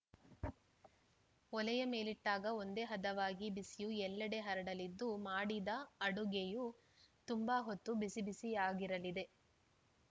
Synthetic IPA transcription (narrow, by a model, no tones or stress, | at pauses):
ɔlɛjɐme̞ːliʈːaːɡɐond̪e̞ːɦɐd̪ɐʋaːɡibisijuɛlːɐɽe̞ɦɐɾɐɽɐlid̪ːumaːɽid̪ɐɐɽuɡeju | t̪umbɐɦot̪ːubisibisijaːɡiɾɐlid̪e̞